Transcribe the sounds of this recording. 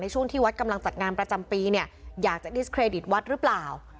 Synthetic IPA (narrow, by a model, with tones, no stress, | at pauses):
na˧jt͡ɕʰu˥˩əŋt̪ʰiː˥˩wa˦t̪̚ka˧mla˧ŋt͡ɕa˨˩t̪̚ŋaː˧npɾa˧t͡ɕa˧mpiː˧ni˥˩ɐjaː˨˩k̚t͡ɕa˨˩di˦˥skʰɾeː˧di˨˩t̪̚wa˦˥t̪̚ɾɯ˦˥plaː˨˩w